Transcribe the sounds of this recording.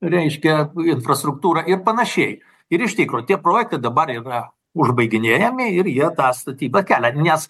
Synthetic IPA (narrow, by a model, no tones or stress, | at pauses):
ɾʲɛɪʃʲkʲɛɪnfrɐst̪ɾʊk̚t̪uːɾɑɪrpɐnɐʃʲɛɪ | ɪɾɪʃt̪ʲiːkɾoːt̪ʲiɛpɾoːjɛk̚t̪ɐɪd̪ɐbɐriːrɐ | ʊʒbɐɪɡʲɪnʲeːjɛmʲɪɪrjiɛt̪ɑːst̪ɐt̪ʲiːbɐkʲæːlʲɛnʲɛs